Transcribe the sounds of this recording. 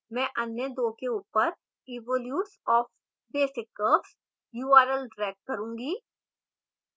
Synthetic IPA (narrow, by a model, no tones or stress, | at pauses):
mɛ̃ːʔɐnjəd̪oːkeuːpəɾ | ɪːʋoːljuːʈsɔːf | beːsɪkːəps | juːaːɾəlɖɾɛːk̚kːɐɾũːŋɡiː